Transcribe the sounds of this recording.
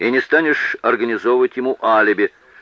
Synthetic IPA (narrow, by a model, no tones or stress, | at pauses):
inʲɪst̪anʲɪʂɐrɡənʲɪzovəvətʲjɪmuʔalʲɪbʲɪ